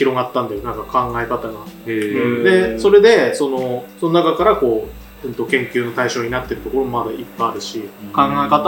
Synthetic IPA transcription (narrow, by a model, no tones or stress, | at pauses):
çiɾo̞ɡat̪ːãnd̪ajo̞nãŋkakʰãŋɡae̞kat̪aɡã | d̪e̞so̞ɾe̞d̪e̞so̞no̞sononakakaɾako̞ː | ɯ̟̃nt̪o̞kẽ̞ŋkʲɨːno̞t̪aiɕo̞ːɲ̟inat̪ːe̞ɾɯ̟t̪o̞ko̞ɾo̞moad̪aipːaaɾɯ̟ɕikãŋɡae̞kat̪a